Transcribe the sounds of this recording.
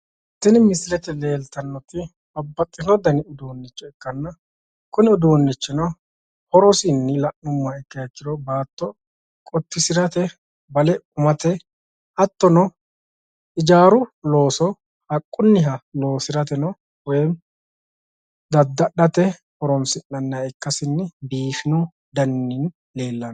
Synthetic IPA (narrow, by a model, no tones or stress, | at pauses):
t̪ːɪnɪmɪsɪlɛt̪ɛle̞ːlt̪ɐnːɔt̪ɪ | bɐbːɐt̪ʼːɪnɔd̪ɐnɪʊd̪oːnːɪt͡ʃːɔɛkːɐnːɐ | kʊnɪʊd̪oːnːɪt͡ʃːɪnɔ | hɔɾɔsɪnːɪlɐʔʊmːaɛkːɐjɛkːɪd̪ɔbaːt̪ːɔ | kʼɔt̪ːɪsɪɾɐt̪ɛ | bɐlɛʊmɐt̪ɛ | ʔɐt̪ːɔnɔ | ʔɪd͡ʒaːɾʊlo̞ːsɔ | hɐkʼːʊnːɪɦɐlo̞ːsɪɾɐt̪ɛnɔ | wɛm | d̪ɐd̪ːɐɗɐt̪ɛ | hɔɾɔmsɪnːɐnːɐɛkːɐsɪnːɪbiːfɪnu | d̪ɐnːɪn | le̞ːlːɐn